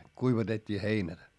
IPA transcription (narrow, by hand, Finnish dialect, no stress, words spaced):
kuiʋɑtetʲːiː heinæ